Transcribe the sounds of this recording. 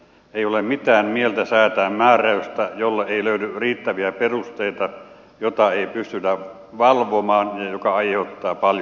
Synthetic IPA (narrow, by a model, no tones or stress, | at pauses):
eˑiolemmit̪æːmmielt̪æsæːt̪æːmmæːræyst̪æjolːɑeiløydyriːt̪ːæʋiæperust̪eit̪ɑ | jot̪ɑeipyst̪yt̪æ | ʋɑlʋomɑːnjɑjokɑɑiheut̪ːɑːpɑlj